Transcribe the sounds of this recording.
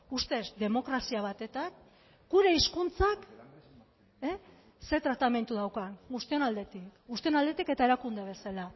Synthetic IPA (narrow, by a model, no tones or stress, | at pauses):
ust̪e̞zd̪e̞mo̞kɾasiaβ̞at̪e̞t̪ak | ɡuɾe̞iskunt͡sak | e | se̞t̪ɾat̪ame̞nt̪uðawkaŋɡust̪io̞nald̪e̞t̪ikɡust̪io̞nald̪e̞t̪ike̞t̪ae̞ɾakund̪eβ̞e̞sala